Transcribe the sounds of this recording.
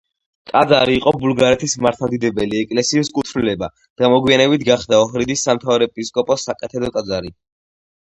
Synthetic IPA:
kʼad̪zaɾiːqʼɔbulɡaɾɛt̪ʰismaɾt̪ʰamd̪id̪ɛbɛliɛkʼlɛsiːskʼut̪ʰnilɛba | d̪̥amɔɡwianɛbit̪ʰɡaχd̪aɔɦɾid̪isːamt̪ʰavɾɛpʼiskʼɔpʼɔsːakʼɛt̪ʰɛd̪ɔkʼad̪zaɾi

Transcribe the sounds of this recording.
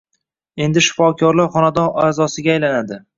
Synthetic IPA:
e̞nd̪ɪʃɪ̥fɒkʲʰɒɾlaɾχɒnad̪ɒnaːzɒsɪɡʲaːjlanad̪ɪ

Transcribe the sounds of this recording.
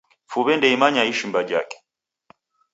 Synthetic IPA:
fuβɛndɛimaɲaiʃimbad͡ʒa̰kɛ̥

